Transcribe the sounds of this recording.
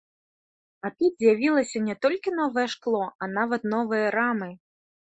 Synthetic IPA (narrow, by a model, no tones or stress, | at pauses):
at̪ut̪zʲjavʲilˠɐsʲɐnʲɛt̪ɔlʲkʲinɔvɐjɛʂklˠɔanavɐt̪nɔvɨjɐɾamɨ